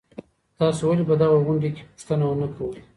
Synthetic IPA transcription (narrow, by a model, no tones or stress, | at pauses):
t̪ɑsowalibad̪aɣaɣʊɳɖeke̥pʊ̥ʂt̪ənawənakʰawu